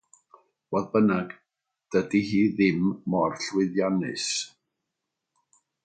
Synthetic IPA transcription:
wɔðbənaɡ̥ | d̥ədihiːðɪmːɔrɬwɪðjanɨ̰s

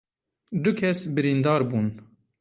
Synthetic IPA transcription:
d̪ʊkʰɛsbɨɾind̪ɑːɾbuːn

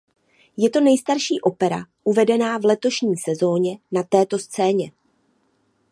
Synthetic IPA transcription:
jɛt̪o̞nɛjst̪aɾʃiːʔo̞pɛɾa̰ʔuvɛdɛnaːvlɛt̪o̞ʃɲiːsɛzo̞ːɲɛnat̪ɛːt̪o̞st͡sɛːɲɛ

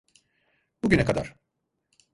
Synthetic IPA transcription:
buɟynɛkad̪a̰ɾ̥

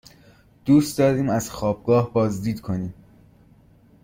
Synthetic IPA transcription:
d̪̥uːst̪d̪ɒːɾiːmæz̥xɒːb̥̚ɡɒːhbɒːzd̪iːd̪kʰo̞niːm

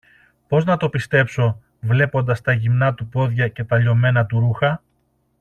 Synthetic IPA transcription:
po̞znɐt̪o̞pist̪e̞pso̞ | vle̞po̞nd̪ɐst̪ɐʝimnɐt̪upo̞ðʝɐce̞t̪ɐʎo̞me̞nɐt̪uɾuxɐ

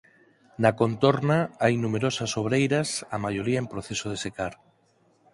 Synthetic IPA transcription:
nakont̪oɾnaajnumeɾɔsɐsoβɾejɾɐsamajoɾiaempɾoθesoð̞esekaɾ

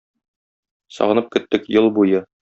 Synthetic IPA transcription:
sɒ̰ʁɤ̆nɤp̚kɵ̆t̪ːɘkjɤlˠbujɤ

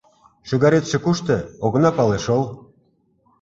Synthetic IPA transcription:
ʃyɣɑɾet̪ʃĕkuʃt̪ĕoɣɤ̆nɑpɑleʃolˠ

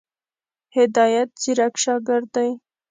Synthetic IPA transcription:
hɪd̪ɑjat̪̚d͡ʒiɾakʃɑɡɪɾd̪aj

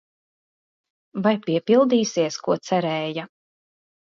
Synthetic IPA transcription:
vajpʲiɛpʲilˠd̪iːsiɛskuɔt̪sɛɾɛːja

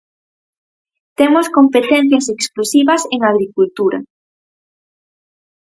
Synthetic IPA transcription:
t̪emoskompet̪ɛn̟θjɐseksklusiβɐseŋaɣ̞ɾikult̪uɾɐ̰

